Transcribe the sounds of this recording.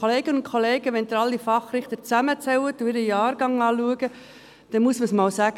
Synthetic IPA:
oleːɡ̥ənʊnkʰoleːɡ̥əʋɛnd̪əɾɑlːifɑχrɪχt̪ət͡sæmət͡sɛwət̪ʊɪɾəjɑːɾɡ̥ɑŋɑːluəɡə | d̥ɛnmuəsməsmɑːwsæːɡ̥ə

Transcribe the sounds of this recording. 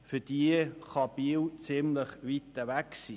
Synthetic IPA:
fʏd̥iəχɑb̥iwt͡sɪmləχvit̪əvæksiː

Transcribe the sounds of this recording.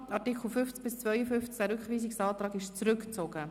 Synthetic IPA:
ɑtɪkl̩ˠfʏnft͡sbɪst͡svœʏjəfʏnft͡skd̥ɛɾʏkχviːsɪksɑːt̪ɾɑːɡɪʃt͡sɾʏkt͡soːɡ̥ə

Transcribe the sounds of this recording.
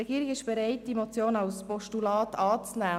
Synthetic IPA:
ɛɡiːɾɪɡɪʃb̥ɛɾaɪt̚d̥imot͡sjoːnaʊspɔʃtulɑːtɑːt͡snæː

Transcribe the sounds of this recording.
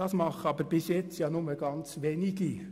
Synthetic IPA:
ɑsmɑχəɑbəɾb̥ɪsjɛt͡stjɑːnʊməɡ̥ɑnt͡sʋeːniɡi

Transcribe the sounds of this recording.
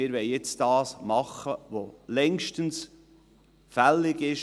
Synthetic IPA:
ɪːɾʋɛɪjɪt͡sd̥ɑːsmɑχəʋolɛŋʃtəns | fælɪɡɪʃ

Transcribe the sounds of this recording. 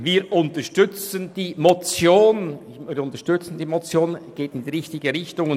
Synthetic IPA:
viːɾʔʊntəʃtʏt͡sənd̥iːmot͡sjoːn | iːʊntəɐʃtʏt͡sən̩diːmot͡sjoːnɡ̥eːtɪndiːʁɪçtɪɡəɾɪçtʊŋ

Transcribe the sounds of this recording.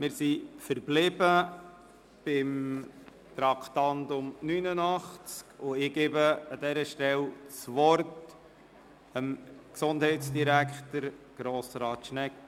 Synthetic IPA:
mɪːɾsifəɾblɪbə | b̥ɪm | t̪ɾɑkχt̪ɑndʊmnynənɑχt͡skʊɪɡ̥eːbəɑd̥̪ɛɾəʃtɛlt͡sʋɔrt | əmksʊndɦɛɪtt͡sd̥iɾækχtəɾɡ̥ɾoːsɾɑːtʃnɛk

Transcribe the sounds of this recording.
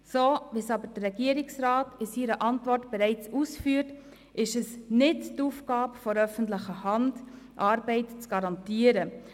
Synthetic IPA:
soːvisɑbəɾd̥ərɛɡiəɾɪksɾɑːtɪsiːɾəʔɑntvɔrtb̥ɛɾɛɪt͡suːsfyːəɾt | ʔɪʃəsnɪttuːfɡ̥ɑːbfɔɾœfən̩tlɪχəhɑnd | ʔɑːɾbɛɪtt͡sɡ̥ɑɾɑntiːəɾə

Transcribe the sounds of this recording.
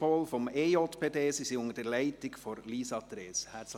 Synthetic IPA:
ɔlfɔmeotpʰeːdeːsisiʊŋəd̥ɛlæɪtɪkfɔɾliːsɑtɾeːshæs

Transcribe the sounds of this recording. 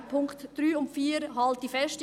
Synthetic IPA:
pʰʊŋktd̥ɾyːʊmfiːɾɦɑlt̚d̥ifɛst

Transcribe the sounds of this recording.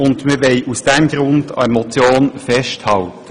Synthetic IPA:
ʊndməʋɛɪʔusd̥ɛmɡɾʊnd̥ɑ̰emɔt͡sjoːnfɛʃthɑltə̥

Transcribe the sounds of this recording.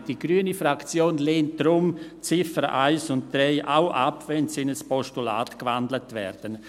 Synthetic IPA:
d̥iɡɾyːənifrakt͡sjoːnleːnt̚d̥ɾʊmt͡sɪfəɾʔaɪsʊnt̚d̥ɾɛɪʔaʊʔa̰pvɛnsɪnəspɔʃtula̰ːtkvandlətvɛ̰ɾd̥ən

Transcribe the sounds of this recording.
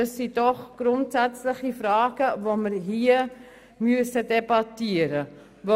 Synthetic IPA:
ɑsːidɔχɡ̥rʊntsæt͡slɪχifrɑːɡ̥əvoməɾɦiə | myəsədebɑtiəɾə | vo

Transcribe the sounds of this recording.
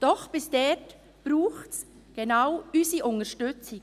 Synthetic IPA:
d̥ɔχb̥ɪsd̥ɛt | b̥ɾuːχts | ɡ̥enawysiʔʊntəʃtʏt͡sɪ

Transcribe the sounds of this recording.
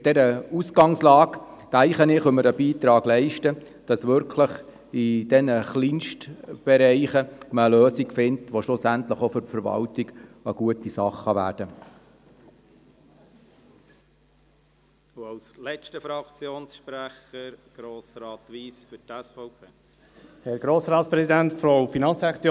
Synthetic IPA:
d̥ɛɾəusɡɑŋslɑːktæɪχənɪχɵməɾəbiːt̪ɾɑːɡ̥lɛɪʃtə | d̥ɑsʋʏɾkʰləχ | id̥ɛnəχliːnʃtb̥ɛɾɛɪχəməːløːsiɡfɪntʋoʃlʊsæntləχofʏɾfəɾvɑ̰ltiɡəɡ̥uətisɑχːɑʋæ̰ːd̥ə | uɑwslɛt͡ʃtəfɾɑkt͡sjoːnsʃpɾæχəɾɡ̥ɾoːsɾɑːt̪ʋiːsfʏtɛsfɔʊpʰeː | hɛɾɡ̥ɾoːsɾɑːtspɾɛsidæntfɾowfinɑnsɾɛχt̪

